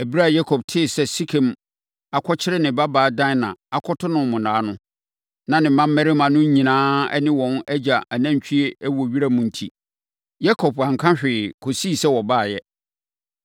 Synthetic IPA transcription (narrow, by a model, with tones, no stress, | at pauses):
æ˨bi˦ɾa˦˨ja˦kʰɔ˨b̚tʰɪ˦˨sɛ˨si˦kʰẽ˨m | a˨kʰɔ˦t͡ɕʰɪ˦ɾɪ˦nɪ̃˨ba˦baː˨˦dã˦˨nã˨a˦kʰɔ˦tʰʊ˦nʊ̃˨mʊ̃˨nãː˨˦nʊ̃˦ | nã˨nɪ̃˨mã˦m̩˦mɛ˦ɾɪ˦mã˨nʊ̃˦ɲ˦ɲĩ˨nãː˦ɛ̰˦nɪ̃˦wɔ̃˨nɛ˦d͡ʑa˨ʔa˨næ̃˦ɲ˨t͡ɕʰᶣi˦e˦æ˦wɔ˨ɥi˦ɾa˦mʊ̃˨n̩˨tʰḭ˦ | ja˦kʰɔ˨bã˨ŋ˨kʰã˦ɕᶣɪ˨kʰo˨siː˦˨sɛ˦wɔ˨baː˦˨jɛ˦